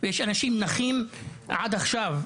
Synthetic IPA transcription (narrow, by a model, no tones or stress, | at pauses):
vejeʃanaʃimnaχimʕad̪aχʃav